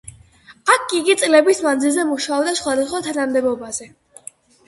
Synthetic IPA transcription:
akʰiɡit̪sʼlɛbismand̪zilˠzɛmuʃaɔbd̪asχwad̪asχwat̪ʰanamd̪ɛbɔbaz̥ɛ

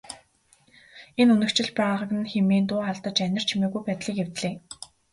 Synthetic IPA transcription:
enɵnɵ̆kt͡ɕɪ̆ɮpaːʁə̆kɘ̆nxemeːnt̪ʊːχaɮt̪ə̆t͡ɕænʲɪ̆r̥t͡ɕʰimeːɣujpæːt̪ɮiːkew̥t̪ɮeː

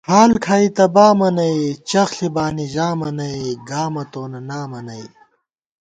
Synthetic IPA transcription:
haːlkʰaːit̪ɐbaːmɐnɐit͡ɕɐxɬibaːniʑaːmɐnɐiɡaːmɐt̪oːnɐnaːmɐnɐi

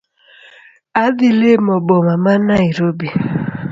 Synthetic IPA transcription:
adilemɔbɔmamanaiɾobi

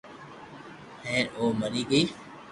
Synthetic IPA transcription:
hɛ̃ːʔoːməɾiːkiː

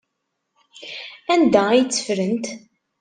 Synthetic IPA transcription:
ænd̪æijt͡sːə̥fɾənt̪

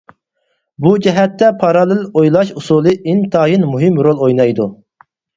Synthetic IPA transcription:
bud͡ʒɛɦɛt̪ːɛpʰɑɾɑlˠɨlojlˠɑʃusulˠɨʔint̪ʰɑːjinmuɦɪmɾolˠojnɑjd̪u

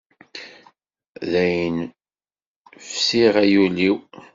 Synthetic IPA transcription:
ðæjən | fsiʁæjuliw

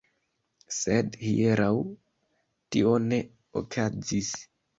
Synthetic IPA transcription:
sedhḭeɾaw | tḭo̞ne̞ | o̰kʰazis

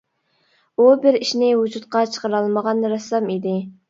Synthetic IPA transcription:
ubɪɾiʃnɪwud͡ʒut̪qɑt͡ʃʰə̥qəɾɑlˠməʁɑnɾɑsːɑmid̪ɪ

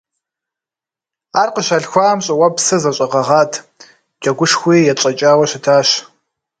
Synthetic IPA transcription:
aːrqəɕaɮxʷaːmɕʼɐwɐpsɨzɐɕʼɐʁɐʁɑːtʰ | d͡ʒʼɐɡʷʊʂxʷiːjɛt͡ʃʼɐt͡ʃʼaːwɐɕɪtʰaːɕ

